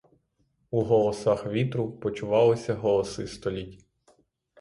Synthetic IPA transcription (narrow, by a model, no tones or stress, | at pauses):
uɦɔlˠɔsɑxʋʲit̪ɾʊpɔt͡ʃʊʋɑlˠɪsʲɐɦɔlˠɔsɪst̪ɔlʲitʲ